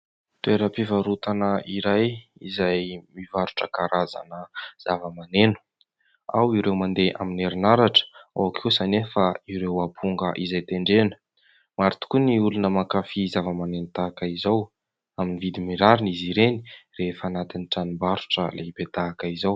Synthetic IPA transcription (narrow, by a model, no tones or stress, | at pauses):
t̪ueɾəpivaɾut̪anəiɾajizajmivaɾuʈ͡ʂəkaɾaza̰nəz̥avəmanenu̥ | a̰wiɾewmand̪eʔa̰mineɾinaɾaʈ͡ʂə̥a̰wakʰewsanefaiɾewapʰuŋɡəʔizajt̪eɳɖ͡ʐenə̥ | maɾit̪u̥kuniulunəmakafizavəmanenut̪aːkəizaw | aminivid̪imiɾaɾiniziɾeni̥refəanat̪iniʈ͡ʂanimbaɾu̥ʈ͡ʂə̰leipet̪aːkəizaw